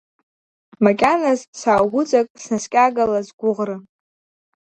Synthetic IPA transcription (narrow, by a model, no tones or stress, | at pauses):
makʲʼanazsaːɡʷʊt͡sʼakʼsnaskʲʼaɡalazɡʷʊʁrɨ